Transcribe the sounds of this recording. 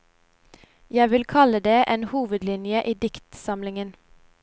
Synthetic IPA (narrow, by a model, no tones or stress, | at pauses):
jæɪʋɪlkʰɑləd̪eːʔeːnhuːʋəd̪lɪnjəʔiːd̪ɪkt̪sɑmlɪŋən